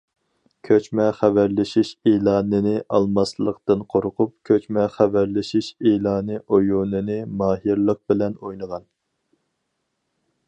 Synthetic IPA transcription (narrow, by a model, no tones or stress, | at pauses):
kʲʰøt͡ʃmɛχævæɾlɪʃiʃelˠɑːnɨnɪʔɑlˠmɑslˠəqt̪ɨnqʰoɾqʰʊp̚kʲʰøt͡ʃmɛχævæɾlɪʃiʃelɑːnɨʔojunɨnɨmɑːɦiɾlˠəq̚bɪlɛnojnəʁɑn